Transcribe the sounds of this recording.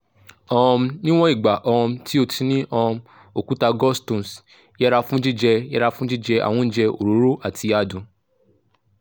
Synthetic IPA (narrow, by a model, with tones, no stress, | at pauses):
ɔ̃˧ɔ̃˧mnĩ˦w̃ɔ̃˦i˦˨ɡ͡ba˨ʔɔ˧ɔ̃˧tʰi˦o˧tʰi˧nĩ˦ʔɔ̃˧ | o˨ku˦ta˧ɡɔ˦stũ˨s | jɛ˦ɾa˧fũ˦d͡ʒi˦d͡ʒɛ˧jɛ˦ɾa˧fũ˦d͡ʒi˦d͡ʒɛ˧a̰˨wɔ̃˧n̩˦d͡ʒɛ˧o̰˨ɾu˨˦ɾo˦ʔa˦˨tʰi˧a˨dũ˨˦